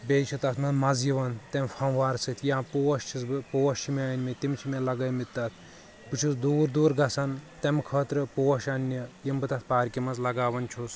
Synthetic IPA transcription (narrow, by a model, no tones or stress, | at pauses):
bʲeːt͡ʃʰut̪ɐt̪ʰmɐnmɐzjiʋɐnt̪ɛmfʰɐʋaːɾsɨt̪ʰjiãpoːɐʃt͡ʃʰisbɨpoːɐʃt͡ʃʰimʲaːnʲmit̪imt͡ʃʰimelɐɡɐjmit̪ːɐt̪ʰ | bɨt͡ʃʰusd̪uːɾd̪uːɾɡɐsɐnt̪emkʰəːt̪ɾɨpoːɐʃɐnʲːijimbɨt̪ɐt̪̚ʰpaːɾkʲimɐzlɐɡaːʋɐnt͡ʃʰus